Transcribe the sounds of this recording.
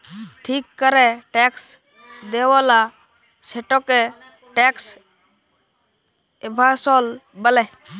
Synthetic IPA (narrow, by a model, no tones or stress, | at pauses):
ʈʰiːkːəɾɛʈeːks | d̪eːʋaːla | seʈoːke | ʈeːks | ɪbʱaːsoːlbəlɛː